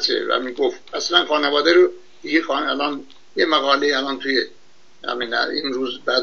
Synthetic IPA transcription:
t͡ʃʰḛvæ̰miːɡofæslænxɑːnevɒːd̪æɾo | d̪̥iɡexɒːnælɒːn | jemæɣɒːleiælɒːnt̪ʰuje | hæ̰minæ̰inɾuːzbæd̪

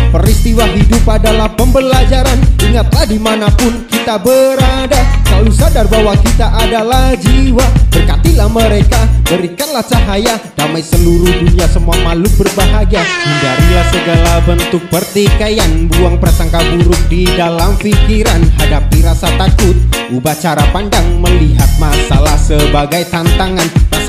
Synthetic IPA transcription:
pəɾist̪iwaɦidʊpadalahpəmbəlad͡ʒaɾaniŋat̪lahdimanapʊnkit̪abəɾadasalusadarbaɦwakit̪aʔadalahd͡ʒəiwabərkat̪ilahməɾekadəɾikanlaht͡ʃaɦajadamajsəluɾuhduniasəmuamalubərbaɦaɡiahindaɾilahsəɡalabənt̪ʊk̚pərt̪ikajanbuaŋpərsaŋkabuɾʊk̚didalamfikiɾanhadapiɾasat̪akʊt̪̚ubaht͡ʃaɾapandaŋməliɦat̪̚masalahsəbaɡajt̪ant̪aŋanra

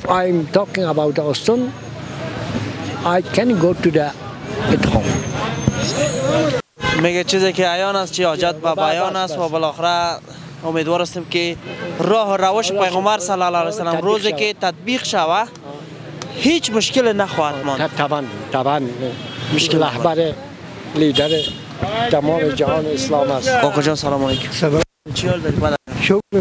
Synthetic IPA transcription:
ajmt̪ɔkɪ̃ŋabawt̪̚d̪əɔst̪ɔn | ajkɛ̃nɡoːtud̪ə | ɪ̃nt̪hɔ̰̃m | meɡat͡ʃizekeajɔnast͡ʃiɔd͡ʒat̪̚babbajɔnast̪wabɪlɔxɪɾa | ʊmed̪wɔɾast̪ɪmkɪɾɔɦʊɾawɪʃpajɣʊmbaɾsalaːlalajsalamɾozekɪt̪at̪̚biqʃawa | het͡ʃmʊʃkɪlenaxɔhat̪mɔ̃nt̪ʰabant̪ʰabanmʊʃkɪlahbaɾe | lid̪aɾe | t̪amɔːmed͡ʒahɔːnɪɪslɔːmasɔkɔd͡ʒɔnsalɔmɔlekm | t͡ʃiɔld̪ɔɾbad̪aa

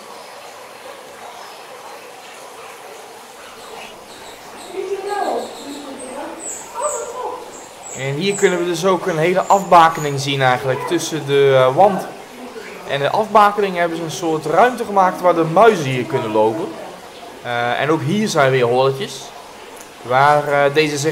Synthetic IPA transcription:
ɛnɦiːɹkɵnənʋədɵs̬owkənɦejləʔɑfbaːkənɪŋzinɛjχənləktɵsədəʋɑnt | ʔɛ̰ndəʔɑfbaːkənɪŋɦɛbənzəənsʊːɹtrœɥmtəχəmaːk̚tʋaːdəmœɥzənɦiːɹkɵnənlowpən | ɛ̰nowkɦiːɹzɛjnʋɪːɦolətjəs | ʋaːrdejzəzɪ

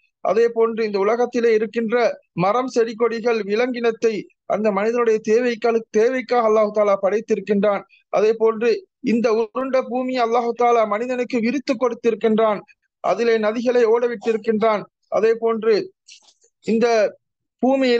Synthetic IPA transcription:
ʔɐ̰ðeːpoːndrɯɪnd̪ɐʊlɐɣɐt̪ːɪleːɪɾɯkːɪndrɐmɐɾɐmsɛɾɪk̬ːɔɽɪɣɐɭʋɪlɐŋɡɪnɐt̪ːɐɪ | ʔɐ̰nd̪ɐmɐnɪðɐnɯɽɐjɐt̪eːʋɐɪkːaɭɯt̪eːʋɐɪkːaːɣɐlːaːhɯt̪aːlaːpɐɽɐɪt̪ːɪɾɯkːɪndraːn | ʔɐðeːpoːndrɯ | ɪnd̪ɐʊɾɯɳɖɐbuːmɪjɐɐlːaːɦɯt̪aːlaːmɐnɪðɐnɯkːɯʋɪɾɪt̪ːɯkːɔɽɯt̪ːɪɾɯkːɪndraːn | ʔɐ̰ðɪleːnɐðɪɣɐɭɐɪoːɽɐʋɪʈːɪɾɯkːɪndraːn | ʔɐ̰ðeːpoːndrɯ | ɪnd̪ɐ | buːmɪjɪ

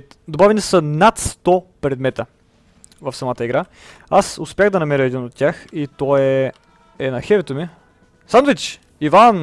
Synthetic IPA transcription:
d̪obavɛnisənat̪st̪ɔpɾɛd̪mɛt̪ə | vɐfsɐmat̪əiɡɾʔa | asʊspʲjaɣd̪ɐnɐmɛɾəɛd̪inot̪tʲːjaxit̪ɔɛ | ɛnɐxɛvɛt̪omi | sanvit͡ʃ | ivan

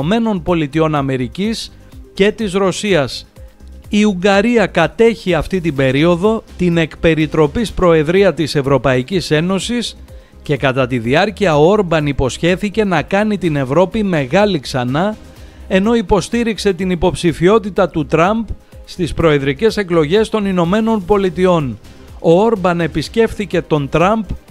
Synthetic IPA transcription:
me̞no̞npo̞lit̪io̞nɐme̞ɾicis | ce̞t̪izɾo̞siɐs | iuŋɡɐɾiɐkɐt̪e̞çiɐft̪it̪ibe̞ɾio̞ðo̞t̪ine̞kpe̞ɾit̪ɾo̞pispɾo̞e̞ðɾiɐt̪ise̞vɾo̞pɐicise̞no̞sis | ce̞kɐt̪ɐt̪iðiɐɾciɐooɾbɐnipo̞sçe̞θice̞nɐkɐnit̪ine̞vɾo̞pime̞ɣɐliksɐnɐ | e̞no̞ipo̞st̪iɾikse̞t̪inipo̞psifio̞t̪it̪ɐt̪ut̪ɾɐmb | st̪ispɾo̞e̞ðɾice̞se̞klo̞ʝe̞st̪o̞nino̞me̞no̞npo̞lit̪io̞n | o̞o̞ɾbɐne̞pisce̞fθice̞t̪o̞nt̪ɾɐmb

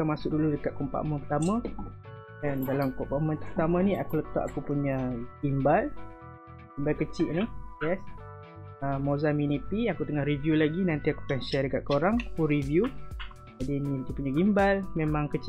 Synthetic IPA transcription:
amasʊk̚duludəkaʔ̪̚kɔmpa̰ʔməpət̪amã | dandalamkɔmpaʔmə̃nt̪əpt̪amãnĩakulət̪a̰ʔakupuɲaɡimbal | ɡimbalkət͡ʃiʔnijɛs | əmozaminipiakut̪əŋahrivjulaɡinant̪iakupɛnʃɛdəkaʔ̪̚koɾaŋakuɾivju | d͡ʒadinit̪ipuɲaɡimbalmemãŋkət͡ʃ

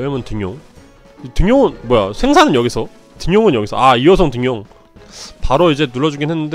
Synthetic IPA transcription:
emɯntɯŋjoŋ | itɯŋjoŋɯnmwʌjasʰe̞ŋsʰanɯnjʌɡisʰʌ | tɯŋjoŋɯnjʌɡisʰʌaiʌsʰʌŋtɯŋjoŋ | paɾoid͡ʑe̞nuɭːʌd͡ʑuɡinɦe̞nːɯnde

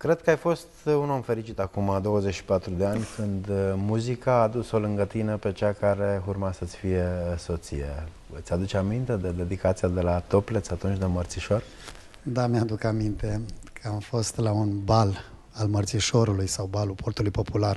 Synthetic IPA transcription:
kɾe̞d̪̚kəajfo̞st̪uno̞mfe̞ɾit͡ʃit̪akumad̪o̞wəzet͡ʃʃi̥pat̪ɾud̪e̞anʲkʰɨnd̪muzikaːd̪uso̞lɨŋɡət̪inəpe̞t͡ʃakaɾe̞urmasət̪sʲfije̞so̞t̪sḭjḛ | ɨt̪sʲad̪ut͡ʃamint̪e̞d̪ed̪e̞d̪ikat̪siad̪e̞lat̪o̞ple̞t̪sʲat̪unt͡ʃʲd̪emərt̪siʃo̞r | d̪amjad̪ukamint̪e̞kʰəamfo̞st̪launbal | almərt̪siʃo̞ɾulujsawbalupʰo̞rt̪ulujpo̞pular

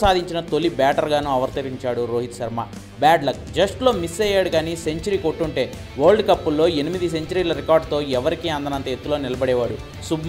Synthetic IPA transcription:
saːd̪ʱiɲt͡ʃinɐt̪o̞lːibaːʈɐɾɡaːnuːɐʋɐɾt̪ɐɾiɲt͡ʃaːɽuɾoːɦit̪ʃɐɾma̰ː | baːɖlɐk̚d͡ʒɐsʈlo̞ːmisːɛːjːaːɽuɡaːniːse̞ɲt͡ʃɐɾiːkoʈːuɳʈe̞ː | ʋoːɾɭɖkɐpːulːo̞ːe̞nimid̪is̬e̞ɲt͡ʃɐɾiːlɐɾikaːɾɖt̪o̞ːɛʋɐɾikiɐnd̪ɐnɐnt̪ɐet̪ːulo̞ːnilɐbɐɽɛːʋaːɽu | sub

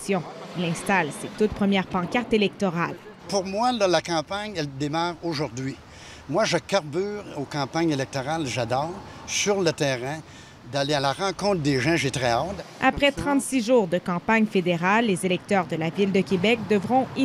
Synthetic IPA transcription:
sjɔ̃ilɛ̃st̪alset̪ut̪̚pχəmjɛʁpɑ̃kaʁt̪elɛk̚t̪ɔʁal | puʁmwalalakɑ̃ːpaɲɛld̪emaːʁoʒuʁd̪ɥi | mwaʒəkaʁbyːʁokɑ̃paɲelɛk̚t̪ɔʁalʒad̪ɔːʁsyʁlət̪ɛːʁɛ̃ | d̪alealaʁɑ̃ːkɔ̃t̪χd̪eʒɑ̃ʒet̪ʁɛɔt̪apχɛt̪χɑ̃t̪siʒuːʁd̪əkɑ̃paɲfed̪eʁalːezelɛk̚t̪œːʁd̪əlavild̪əkʲebɛk̚d̪əvʁɔ̃i

